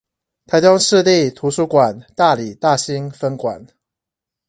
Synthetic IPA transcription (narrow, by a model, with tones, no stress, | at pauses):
t̪ʰa˨˥ɪt̪ɑ˥ŋʂɻ̩˥˧li˥˨t̪ʰu˧˦su˧˥kwa˨˩nt̪a˥˨li˨˩t̪a˥˨ɕi˦ŋfə˦nkwa̰˨˩˦n